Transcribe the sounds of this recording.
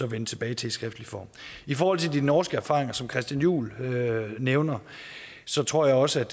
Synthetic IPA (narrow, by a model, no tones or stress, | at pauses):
ɒ̽ʋenət͡sʰe̝b̥ɛːɪt͡sʰe̝isɡ̥ʁɛfd̥lifɒ̰ːmifɒːhɒ̽lt͡sʰe̝d̥inɒːsɡ̥əæɐfɑ̈ːʁeŋɐsɒ̽mkʰʁɛsd̥jænjṵːløneʊnɐ | sɒ̽t͡sʰʁo̝ɐ̰jɑ̈ɪɒ̽səæd̥